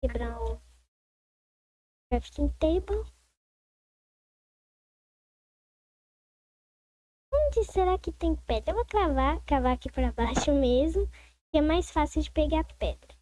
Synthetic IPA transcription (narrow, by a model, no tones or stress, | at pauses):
kebɾɐ̃ | afi̥kĩj̃t̪ejbo | õd͡ʒɪseɾakɪt̪ẽj̃pɛd̪ɾɐewvokɾavakɾavaakipɾɐbaʃʊmezmʊ | kɪɛmajsfasɪwd͡ʒɪpeɡapɛd̪ɾɐ